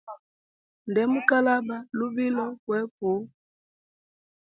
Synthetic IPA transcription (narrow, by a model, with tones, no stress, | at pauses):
ndɛ˨˦mu˦ka˦la˦ba˨lu˦bi˦lɔ˦kwɛ˨˦ku˨˦